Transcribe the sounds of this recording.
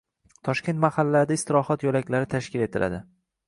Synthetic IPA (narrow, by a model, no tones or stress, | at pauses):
t̪ʰɒʃkʲent̪mahalːad̪aɪst̪ɪɾɒhɒt̪jolakʲlaɾɪt̪ʰaʃkʲɪle̞t̪ʰɪlʔa̰d̪ɪ